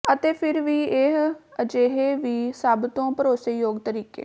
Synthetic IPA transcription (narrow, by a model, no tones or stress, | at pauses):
ət̪eːpʰɪɾʋiːeɦəd͡ʒeːɦeːʋiːsəbt̪õːpəɾoːsəjoːɡt̪əɾiːkḛː